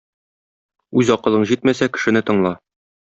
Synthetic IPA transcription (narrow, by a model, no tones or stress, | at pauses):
ʉzɒqɤ̆lˠɤɴʑit̪mæsækɘ̆ʃɘ̆nɘt̪ɤ̆ɴlˠɑ